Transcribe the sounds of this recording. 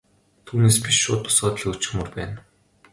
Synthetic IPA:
t̪ʰuːneːspiʃːʊːt̪ʊ̥sʊːt̪ɮĭut͡ɕɪ̆mʊrpæːn

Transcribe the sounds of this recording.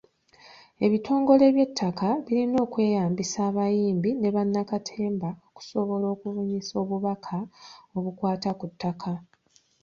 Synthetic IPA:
e̞βitʰo̞ːŋɡo̞le̞βje̞tʰːakʰaβiɾino̞ːkwe̞ːjaːmbisaːβajiːmbine̞βanːakatʰe̞ːmbaoku̥so̞βo̞lo̞ːkuvuɲiso̞ːβuβakʰao̞βukwaːtakutːakʰa

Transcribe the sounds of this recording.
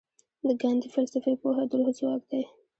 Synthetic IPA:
d̪əɡand̪ifalsafepoɦad̪ʊlhʊzwɑkd̪aj

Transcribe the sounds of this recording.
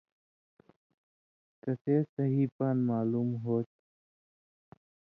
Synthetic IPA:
kəseːsəɦiːpaːnmaːluːmɦoːt̪̚

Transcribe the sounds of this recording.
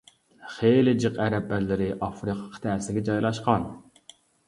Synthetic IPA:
χelɪd͡ʒɨqæɾɛp̚ːæɾlɪɾɪʔɑfɾɨqʰɑ̥qʰt̪ʰæːsɪlɪɡʲɛd͡ʒɑjlˠɑʃqɑn

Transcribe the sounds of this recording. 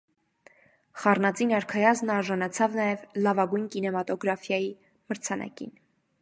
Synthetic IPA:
χɑrnɑt͡sinɑɾkʰɑjɑznɑɾʒɑnɑt͡sʰɑvnɑjɛvlɑvɑɡujnkinɛmɑt̪ɔɡɾɑfjɑji | məɾt͡sʰɑnʔɑ̰kḭn

